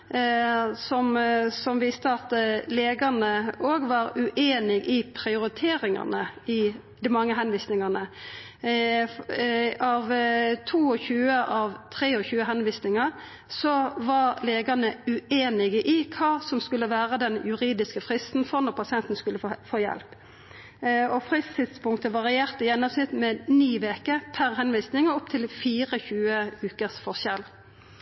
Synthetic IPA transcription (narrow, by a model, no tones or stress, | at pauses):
sɔmsɔmʋiːst̪əɑt̪leːɡɑnəoːɡʋɑɾʉʔeːnɪɡɪpʰʁɪʊɾɪt̪ʰeːɾɪŋɑ̰nəɪ | d̪ɪmɑŋːəɦɛnʋiːsnɪŋɑʁnə | ɑʋt̪ʰuːɔçʉːəʔɑʋt̪ʰʁeːɔçʉːəɦɛnʋiːsnɪŋɑʁ | sɔʋɑʁleːɡɑʁnəʉeːnɪɡəʔɪkʰɑːsɔmskʉlːəʋæːʁəd̪ɛnjʉʁiːd̪ɪskəfʁɪst̪n̩fɔʁnɔʁpʰɑsɪɛnt̪n̩skʉlːəfoːjɛ̰lp | ɔfʁɪst̪ʰɪt̪spʊŋt̪əʋɑʁɪeːʁt̪əjɛnːɔsnɪt̪mɛniːʋeːkəpʰæʁɦɛnʋiːsnɪŋəɔp̚t̪ʰɪlfiːʁəçʉːəʉːkəsfɔʁʃɛl